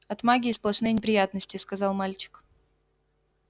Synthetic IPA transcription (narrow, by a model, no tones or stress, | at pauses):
ɐt̪maɡʲɪːsplˠɐʂnɨjnʲɪpɾʲɪjat̪nəsʲtʲɪskɐzɑlˠmalʲt͡ɕɪ̥k